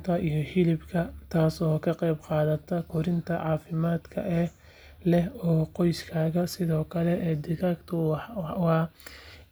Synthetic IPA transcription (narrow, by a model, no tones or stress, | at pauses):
t̪ʰɐʔijɞhɪlɪbkʰɐt̪ʰaːsɔːkʰɐqɛjbqɑːðɐt̪ʰɐkʰʊɾɪnt̪ʰɐʕɑːfɪmaːd̪kʰɐ̰ʔɛ | lɛɦɔːqɔjskʰaːɣɐsɪðɔːkʰɐlɛʔɛːd̪ɪɣakt̪ʰʊħwɑː